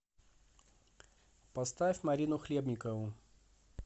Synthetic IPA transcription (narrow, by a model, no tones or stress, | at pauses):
pɐst̪afʲmaɾʲinʊxlʲebnʲikɐvʊ